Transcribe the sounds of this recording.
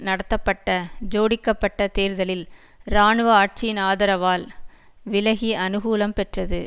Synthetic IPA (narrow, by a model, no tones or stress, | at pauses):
nɐɽɐt̪ːɐpːɐʈːɐd͡ʒoːɽɪkːɐpːɐʈːɐt̪eːɾðɐlɪl | ɾaːɳɯʋɐaːʈ̚t͡ʃɪjɪnaːðɐɾɐʋaːl | ʋɪlɐɣiʔɐnɯɣuːlɐmpɛʈrɐðɯ